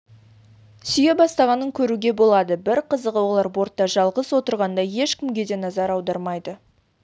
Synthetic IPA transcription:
sʏje̞bɑst̪ɑʁɑnəŋkʲʰɵɾuɡʲe̞bo̞lˠɑd̪əbɪɾqʰəzəqwolˠɑɾbo̞ɾt̪ːɑʒɑlˠʁəswo̞t̪əɾʁɑnd̪ɑje̞ʃkʲɪmɡʲe̞d̪e̞nɑzɑɾɑwd̪ɑɾmɑjd̪ə

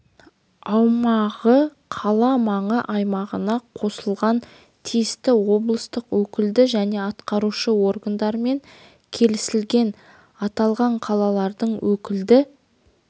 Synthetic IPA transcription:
ɑwmɑʁə | qʰɑlˠɑmɑɴəʔɑjmɑʁənɑqʰo̞səlˠʁɑn | t̪ʰijɪst̪ɪwo̞blˠəst̪əqwɵkʲɪld̪ɪʒæne̞ɑt̪qɑɾuʃəwo̞rɡand̪ɑɾəme̞ŋ | kʲʰe̞lɪsɪlɡʲe̞n | ɑt̪ɑlˠʁɑɴqʰɑlˠɑlˠɑɾd̪əɴwɵkʲɪld̪ɪ

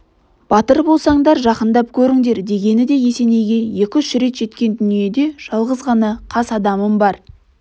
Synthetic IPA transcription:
b̥ɑt̪əɾbo̞lˠsɑɴd̪ɑɾʒɑqənd̪ɑp̚kʲʰɵɾɪŋd̪e̞ɾd̪e̞ɡʲe̞nɪd̪e̞je̞se̞ne̞jɡʲe̞je̞kʲɪʏʃɾe̞t̪ʒ̥e̞t̪kʲe̞nd̪ʏnije̞d̪e̞ʒ̥ɑlˠʁəzʁɑnɑqʰɑsɑd̪ɑməmbɑɾ

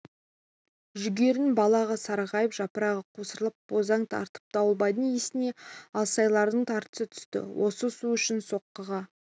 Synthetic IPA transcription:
ʒʏɡʲe̞ɾɪnbɑlˠɑʁəsɑɾʁɑjəpʒɑpəɾɑʁəqʰosəɾəlˠəp̚b̥o̞zɑɴt̪ʰɑ̰ɾt̪ə̥p̚d̪̥ɑwəlˠbɑjd̪əɴesɪne̞ɑlˠsɑjlˠɑɾd̪əɴt̪ʰɑɾt̪ə̥sət̪ʰʏ̥st̪ɪ̰wʔo̞səsuʏʃɪnso̞qːəʁɑ

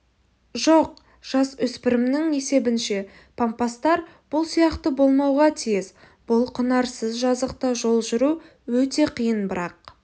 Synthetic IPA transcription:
ʒoq̚ | ʒ̥ɑsʏspɪɾɪmnɪŋe̞se̞bɪnʃe̞ | pʰompɑst̪ɑɾ | b̥ʊlˠsijɑqt̪əbo̞lˠmɑwʁɑt̪ʰijɪz | b̥ʊlˠqʰənɑɾsəzʒɑzəq̚t̪ɑʒo̞lˠʒʏɾu | wɵt̪e̞qʰijənbɪɾɑq̚

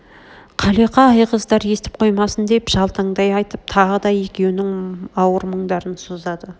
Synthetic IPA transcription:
qʰɑleqɑːjqəzd̪ɑɾe̞st̪ɪ̥p̚qʰo̞jmɑsənd̪e̞pʒ̥ɑlˠt̪əɴd̪ɑjɑjt̪əp̚t̪ʰɑʁəd̪ɑje̞kʲe̞wnɪŋɑwəɾməɴd̪ɑɾənsozd̪ɑd̪ə

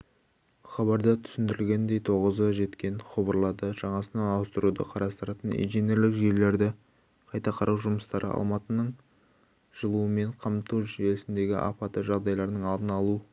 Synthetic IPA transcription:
χɑβɑɾd̪ɑt̪ʰʏ̥sɪnd̪ɪɾɪlɡʲe̞nd̪e̞jt̪ʰo̞ʁəzəʒe̞t̪kʲe̞nχobəɾlˠɑd̪əʒ̥ɑɴɑsənɑnɑwəst̪əɾud̪ə̰qʰɑɾɑst̪əɾɑt̪ənḭjʒine̞ɾlɪkʒe̞ɾle̞ɾd̪ɪ | qʰɑjt̪ɑqʰɑɾʔɑwʒʊməst̪ɑɾʔə̰ʔɑ̰lˠmɑt̪ənəɴ | ʒ̥əlˠuəme̞ɴqʰɑmt̪uwʒelɪsɪnd̪e̞ɡʲɪ̰ʔɑ̰pɑt̪əʒɑʁd̪ɑjlˠɑɾnəɴɑlˠd̪ənɑlˠuə

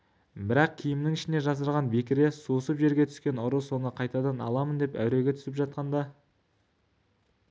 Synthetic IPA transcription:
bɪɾɑq̚kʲʰijɪmnɪŋɪʃɪne̞ʒɑs̬əɾʁɑnbekʲɪɾe̞suəsəpʒe̞ɾɡʲe̞t̪ʰʏ̥skʲe̞nʊɾəso̞nəqʰɑjt̪ɑd̪ɑnɑ̰lˠɑmənd̪e̞pæ̰wɾe̞ɡʲe̞t̪ʰʏ̥sɪpʒɑt̪̚qɑnd̪ɑ

